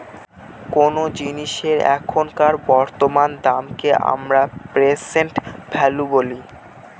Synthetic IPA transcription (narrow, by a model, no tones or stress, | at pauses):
konod͡ʑiniʃeɾɛ̰kʰonkaɾbɔɾt̪omand̪amkeʔa̰mɾapɾesenʈbʱʰɛluboli